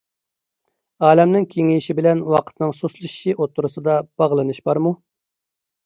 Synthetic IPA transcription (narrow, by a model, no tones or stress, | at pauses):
ɑːlɛmnɪŋkʲʰeŋijʃibɪlɛnwɑqʰə̥t̪nɨŋsuslˠɨʃiʔot̪ʰːuɾusɨd̪ɑb̥ɑʁlˠɨnɨʃbɑɾmu